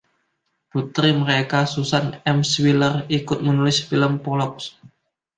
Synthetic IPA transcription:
b̥ṳt̪ɾiməɾekasusanɛmswilərikʊt̪̚mənulɪsfiləmpolɔks

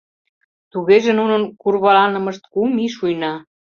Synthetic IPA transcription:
t̪uɣeʒĕnunənkurβɑlɑnə̆mə̆ʃt̪̚kumiʃujnɑ

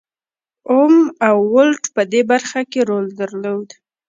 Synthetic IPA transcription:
omawːʊlʈpəd̪ebaɾxakeɾold̪əɾlod̪

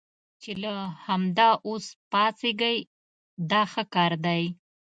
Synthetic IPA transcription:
t͡ʃelahamd̪ɑʔospɑseɡəj | d̪ɑxəkɑɾd̪aj

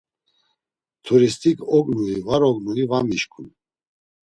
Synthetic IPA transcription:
t̪ʰuɾist̪ʰikʰɔkʼnuivaɾɔɡnuivamiʃkʰun

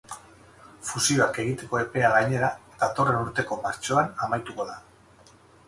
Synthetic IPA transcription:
fusio̞ake̞ɣ̞it̪e̞ko̞e̞pe̞aɣaɲe̞ɾad̪at̪o̞re̞nuɾt̪e̞ko̞maɾt͡ʃo̞anamajt̪uko̞ða

